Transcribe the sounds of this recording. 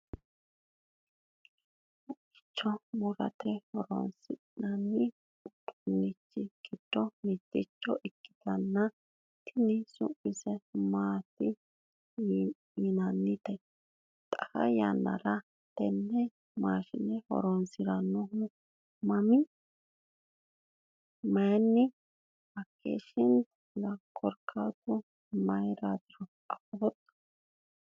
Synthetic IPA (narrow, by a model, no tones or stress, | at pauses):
ʊʔɪ̥t͡ʃːɔmʊɾɐ̰t̪ɛhɔɾɔ̰nsɪ | nɐnːɪ | ʊt̪ːʊnːɪt͡ʃːɪɡ̥ɪd̪̥ːɔmɪt͡ʃ̪ːɪt͡ʃːɔʔɛkːɪ̥t̪ɐnːɐ | t̪ʰɪnɪsʊ̰ʔːɪsɛmaːt̪ːɪ | inɐnːɪt̪ɛ | t̪ʼɐhɐ̰janːɐ̰ɾɐ | t̪ɛnːɛ | maːʃɪnɛhɔ̰ɾɔnsɪɾɐnːɔɦʊ | mɐmɪ | mɐjnːɪ | bɐkʰːḛːʃɪnt̪ | lɐkʰːɔɾkʰaːɡɔ | mɐjɾaːd̪ɪɾɔ | ɐfɔbɔt̪ːɐ̥